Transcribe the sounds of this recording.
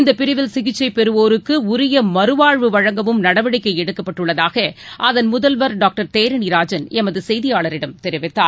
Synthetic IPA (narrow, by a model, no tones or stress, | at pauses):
ɪnd̪ɐpɪɾɪʋɪlsɪɣɪt͡ʃːɐɪpɛɾɯʋoːɾɯkːɯʊɾɪjɐmɐɾɯʋaːɻʋɯʋɐɻɐŋɡɐʋɯmnɐɽɐʋɐɽɪkːɐɪɛɽɯkːɐpːɐʈːɯɭːɐðaːɣɐʔɐðɐnmʊðɐlʋɐɾɖaːk̚ʈɐɾt̪eːɾɪniɾaːd͡ʒɐnɛmɐðɯsɛjðɪjaːɭɐɾɪɽɐmt̪ɛɾɪʋɪt̪ːaː